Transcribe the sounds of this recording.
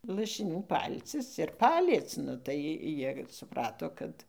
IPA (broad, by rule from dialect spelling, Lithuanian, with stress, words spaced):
lˠɐʃʲɪˈnʲuː ˈpɐlʲt͡sʲɪs ɪr ˈpɑːlʲiɛt͡s ˈnʊ tɐɪ jɪr sʊˈprɑːtoː ˈkɐt